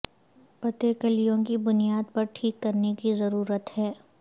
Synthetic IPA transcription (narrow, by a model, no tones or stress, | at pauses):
pɐt̪ekɐlijõkibʊnijaːd̪̚pɐɾʈʰiːkːɐɾnekizɐɾuːɾət̪hɛː